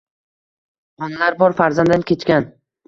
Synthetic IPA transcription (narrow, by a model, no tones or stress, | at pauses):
ɒnalaɾbɒɾfaɾzand̪ankʲe̞t͡ʃkʲan